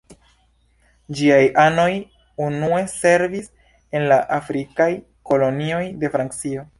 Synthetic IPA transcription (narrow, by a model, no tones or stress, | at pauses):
d͡ʒiajʔano̞j | unue̞se̞ɾvis | e̞nlaʔafɾikaj | ko̞lo̞nio̞jde̞fɾaŋkt͡sio̞